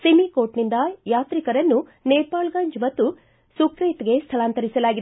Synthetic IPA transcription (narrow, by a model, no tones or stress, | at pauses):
semikoːʈnind̪ɐjaːt̪ɾikɐɾɐnːuneːpaːlɡaɲd͡ʒmɐt̪ːu | sukɾiːt̪ɡe̞st̪ʰɐlaːnt̪ɐɾisɐlaːɡid̪